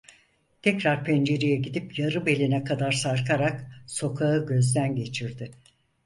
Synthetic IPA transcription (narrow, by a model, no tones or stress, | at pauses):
t̪ʰɛcɾaɾpʰɛnd͡ʒe̞ɾijɛɟid̪ipjaɾɯbe̞lʲinɛkʰad̪aɾsaɾkʰaɾakso̞kʰaɯɟø̞zd̪ænɟe̞t͡ʃʰiɾd̪ɪ